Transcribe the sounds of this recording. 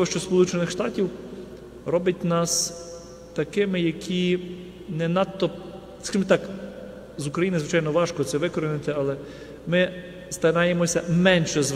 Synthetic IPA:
ɔʃt͡ʃɔspɔlˠut͡ʃenɪxʃt̪ɑtʲiw | ɾɔbɐtʲnɑs | t̪ɐkɪmɪjɐkʲʰi | nɛnɑt̪ːɔ | skɐʒɪmɛt̪ɑk | zʊkɾɐjinɪzʋɪt͡ʃɑjnɔʋɑʃkɔt̪sɛʋɪkɔɾɪnɪt̪ɪalˠɛ | mɪ | st̪ɐɾɑjemɔsʲɐmɛnʃɛz

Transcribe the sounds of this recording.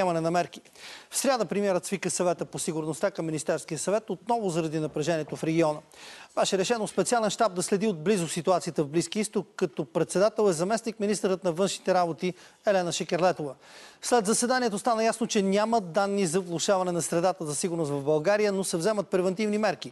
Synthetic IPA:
ɛmɐnɛnɐmɛɾk̟i̥ | fsɾʲjad̪əpɾimiɛɾət̪svikəsɐvɛt̪əposiɡʊɾnost̪akɐmːinist̪ɛɾskijəsɐvɛt̪ot̪̚nɔvʊzɐɾɐd̪inɐpɾɛʒɛniɛt̪ofɾɛɡʲiɔnəb̥ɛʃɛɾɛʃɛnospɛt̪sialɛnʃt̪ab̚d̪ɐslɛd̪iod̪̚blizʊsit̪uat̪sijət̪əvbliskiəist̪okːɐt̪opɾɛt̪sɛd̪at̪ɛlˠɛzɐmɛsnikminist̪əɾət̪nɐvɤnʃnit̪ɛɾabot̪i | ɛlɛnəʃɛkɛɾlɛt̪ovə | slɛd̪zəsɛd̪aniɛt̪ost̪anəjasnot͡ʃɛnʲaməd̪anːizɐvlˠʊʃavɐnɛnɐsɾɛd̪at̪əzɐsiɡʊɾnost̪vɐvbɐlˠɡaɾijənosɛvzɛmət̪̚pɾɛvɛnt̪ivnimɛɾki

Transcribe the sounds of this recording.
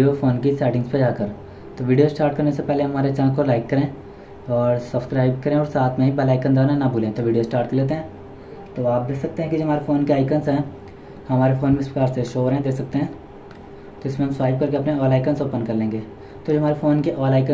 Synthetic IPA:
ijofoːnkisɛːʈɪ̃ŋɡsped͡ʒaːkəɾ | t̪oʋiːɖijosʈaːɾʈ̚kɐɾnesepɛɦleɦɐmaːɾet͡ʃãːkolaːɪkːɐɾẽː | ɔːɾsɐbskɾaːɪbkɐɾẽɔːɾsaːt̪ʰmẽɦibɛlaːɪkənd̪aːnanɐbʱuːlẽt̪oʋiːɖijosʈaːɾʈ̚kəleːt̪̬eɦɛ̃ː | t̪oaːp̚d̪eːksɐk̚t̪ẽɦɛ̃kid͡ʒoɦɐmaːɾefoːnkeaːɪkənsɦɛ̃ː | hɐmaːɾefoːnmɪspɾɐkaːɾseʃoːɾɦɛ̃d̪eːksɐk̚t̪eɦɛ̃ː | t̪oɪsmẽɦɐ̃msʋaːɪb̚kɐɾkeɐpneɔːlaːɪkənsoːpənkɐɾlẽːŋɡeː | t̪od͡ʒoɦɐmaːɾefoːnkiʔɔːlaːɪkə

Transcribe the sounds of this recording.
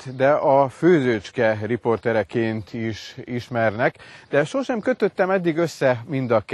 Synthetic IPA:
d̪ɛʔɒføːzøt͡ʃkɛripo̞rt̪ɛɾɛkeːnt̪ʰiʃiʃmɛrnɛkd̪ɛʃo̞ʃɛmkøt̪øt̪ːɛmɛd̪ːiɡø̞sːɛmind̪ɒk

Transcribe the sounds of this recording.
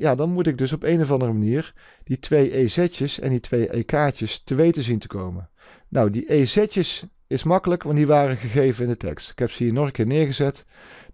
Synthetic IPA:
jaːdɑnmutɪɡ̚dɵs̬ɔpejnovɑndərəmaniːɹ | d̥itʋejʔejzɛt͡ʃəsɛ̰nditʋejʔḛkaːt͡ʃəstəʋejtəzintə̥kowmə | nʔawdiʔejzɛcəs | ɪsmɑkələkʋɑndiʋaːrəɣəɣejvənɪndətʰɛ̰kstɪ̥kɦɛpsəɦiːnɔrkɪːɹnɪːɹɣəzɛt

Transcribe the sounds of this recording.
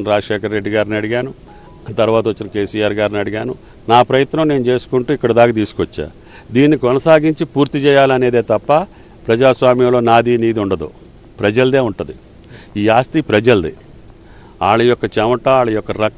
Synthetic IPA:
nɾaːɐʂeːkɐɾːe̞ɖːiɡaːɾniɐɽiɡaːnu | t̪ɐɾuʋaːt̪ɐot͡ʃːinɐke̞ːsijaːɾɡaːɾniɐɽiɡaːnu | naːpɾɐjɐt̪nɐmne̞ːnut͡ʃe̞ːsu̥kuɳʈuːikːɐɽɐd̪aːkɐt̪iːsu̥kɔt͡ʃːa̰ː | d̪iːnːikɔnɐsaːɡiɲt͡ʃipuːɾt̪it͡ʃɛːjaːlɐne̞ːd̪e̞ːt̪ɐpːɐ | pɾɐd͡ʒaːsʋaːmjɐmlo̞ːnaːd̪iːniːd̪iuɳɖɐd̪u | pɾɐd͡ʒɐld̪e̞ːuɳʈund̪i | iːaːst̪ipɾɐd͡ʒɐld̪i | aːɭɐjɔkːɐt͡ʃɛmɐʈɐaːɭɐjɔkːɐɾɐ

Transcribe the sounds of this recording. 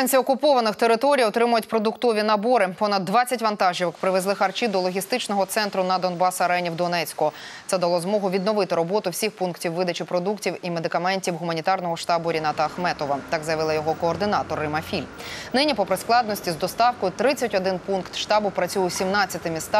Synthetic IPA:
anʲt͡sʲiɔkʊpɔʋɐnɪxt̪eɾɪt̪ɔɾʲijɔt̪ɾɪmʊjʊtʲpɾɔd̪ʊkt̪ɔʋʲinɐbɔɾɪpɔnɐd̪ːʋɑt͡sʲːɐtʲʋɐnt̪ɑʒiʋɪkpɾɪʋezˠɪxɐrt͡ʃid̪ɔlˠɔɦʲist̪ɪt͡ʃnɔɦɔt̪sɛnt̪ɾʊnɐd̪ɔnbɑsɐɾɛnʲiwd̪ɔnɛt͡sʲkɔ | t̪sɛd̪ɐlˠɔzmɔɦʊʋʲid̪nɔʋɪt̪ɪɾɔbɔt̪ʊwsʲixpunktʲiwʋɪd̪ɐt͡ʃipɾɔd̪uktʲiwimed̪ɪkɐmɛnʲtʲiwɦʊmɐnʲit̪ɑrnɔɦɔʃt̪ɑbʊɾʲinɑt̪ɐːxmɛt̪ɔʋɐt̪ɑɡzɐjɐʋɪlˠɐjɔɦɔkɔːrd̪ɪnɑt̪ɔɾɪmɐfʲilʲnɪnʲipɔpɾɪsklˠɑd̪nɔsʲtʲizd̪ɔst̪ɑwkɔjʊt̪ɾɪt͡sʲːɐtʲɔd̪ɪnpunkt̪ʃt̪ɑbʊpɾɐt͡sʲujʊwsʲimnɑt͡sʲːɐt̪ɪmʲist̪ɑ

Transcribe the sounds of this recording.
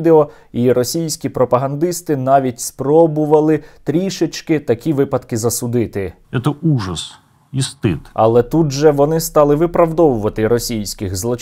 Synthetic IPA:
d̪eɔ | iɾɔsʲijsʲkʲipɾɔpɐɦɐnd̪ɪst̪ɪnɑʋʲitʲspɾɔbʊʋɐlˠɪt̪ɾʲiʃet͡ʃkɪt̪ɐkʲiʋɪpɐd̪kɪzɐsʊd̪ɪt̪ɪ | ɛt̪ɔuʐɐs | ist̪ɪt̪ɐ̰lˠɛt̪ud̪ʒɛʋɔnɪst̪ɑlˠɪʋɪpɾɐwd̪ɔʋʊʋɐt̪ɪɾɔsʲijsʲkɪxzlˠɔt͡ʃ

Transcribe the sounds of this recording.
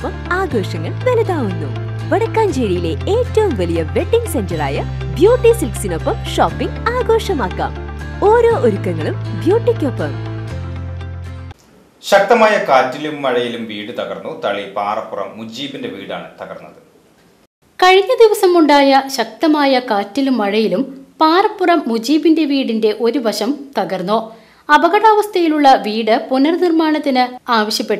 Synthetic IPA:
pːɐmaːɡo̞ːʂɐŋːɐɭʋelɐðaːʋunːu | ʋɐɽɐkːaːnd͡ʑeɻijile̞eːtːɐʋumʋɐlijɐʋe̞ɖːiŋɡsend͡ʑɐra̰ːjɐ | bjoːʈːisilksino̞pːɐmʂoːpːiŋɡaːɡo̞ːʂɐmaːkːa̰ːmo̞ːɾo̞ːʔoɾukːɐŋːɐɭumbjoːʈːikʲːopːɐm | ɕɐk̚t̪ɐmaːjɐkaːtːilumːɐɻɐjilumʋiːɽɨt̪ɐɡɐrnːut̪ɐɭipaːrɐpːurɐ̰mːud͡ʑiːbinde̞ʋḭːɽa̰ːɳɨt̪ɐɡɐrnːɐðɨ | kɐɻiɲːɐd̪iʋɐsɐmuɳɖaːjɐɕɐk̚t̪ɐmaːjɐkaːtːilumːɐɻɐjilumpaːrɐpːurɐmːud͡ʑiːbinde̞ʋiːɽinde̞ʔo̞ɾuʋɐɕɐmt̪ɐɣɐrnːoː | ɐbɐɣɐɽaːʋɐst̪ʰɐjiluɭːɐʋiːɽɨpunɐrnirmaːɳɐt̪ːinɨaːʋɐɕjɐpːeʈːu

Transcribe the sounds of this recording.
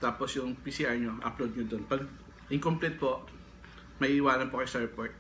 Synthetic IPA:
t̪aːposjʊŋpiːsiʔɐjɲoʔɐ̰plod̪̚ɲod̪onpɐɡ̚ | ʔɪŋkomplɛt̪̚poʔ | mɐʔiːʔɪwaːlɐnpokɐjʊst̪ɛɹpɔɹt̪̚

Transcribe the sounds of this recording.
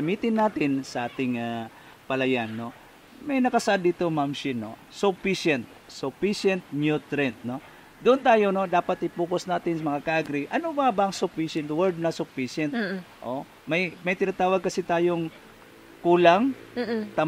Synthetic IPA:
ɐmiːt̪ɪnːaːt̪ɪnsɐʔaːt̪ɪŋa | pɐlɐjanːo̞ | mɐjnɐkɐsɐʔad̪ːiːt̪omamʃɪno̰sʊpiʃɛnt̪̚sʊpiʃɛnt̪̚njut̪ɾɛnt̪̚no̞ | d̪ʊʔʊnt̪aːjo̞no̞d̪aːpɐt̪ʔɪpuːkosnaːt̪ɪnsɐmɐŋakaʔɐɡɾiʔɐnobabɐɐŋsʊpiʃɛnt̪wɛɹd̪̚nɐsʊpiʃɛnt̪ʔo | mɐjmɐjt̪ɪnaːt̪aːwɐɡ̚kɐsɪt̪aːjoŋ | kuːlaŋt̪ɐ

